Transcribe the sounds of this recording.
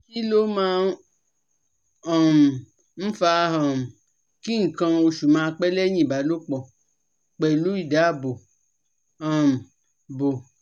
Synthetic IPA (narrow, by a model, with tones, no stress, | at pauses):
i˦lo˦mãː˦ | ɔ̃˨m̩˨ | m̩˦fa˧˦ɦɔ̃˨m˨ | ki˦ŋ̩˨kã˧o˧ʃu˨mãː˨˧k͡pɛ˦lɛ˦ɲĩ˦˨ba˨lo˦k͡pɔ˨ | k͡pɛ˨lu˨˦i˦˨da˨˦˨bo˨ | ɔ˨m̩˨ | bo˨